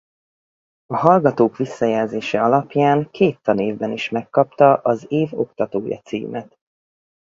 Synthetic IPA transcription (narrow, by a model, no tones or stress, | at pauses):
ɒɦɒlɡɒt̪oːkʋisːɒjɛlzeːʃɛɒlɒpjaːŋkʰeːt̪ːɒneːvbɛniʃmɛkːɒpt̪ɒʔɒzeːvo̞̰kt̪ɒt̪oːjɒ̰t̪sḭːmʔɛt̪